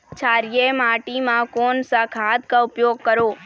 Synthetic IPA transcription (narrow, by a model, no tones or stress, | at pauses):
t͡ʃʰaːɾjemaːʈimãkoːnsakʰaːt̪kaʊpjoːɡ̚kəɾoː